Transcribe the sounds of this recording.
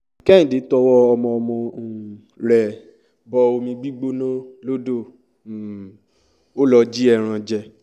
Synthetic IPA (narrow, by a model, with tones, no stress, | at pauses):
kɛ̃˦ĩ˨de˨˧˦tɔ˧wɔ˦ɔ˧mɔ̃˧ɔ˧mɔ̃˧˨ | ɾɛ˨ | bɔ˧o˧mĩ˧ɡ͡bi˦ɡ͡bo˦nɔ̃˦lo˦do˦˨ | o˦lɔ˧d͡ʒi˦ɛ˦˨ɾ̃ã˧d͡ʒɛ˧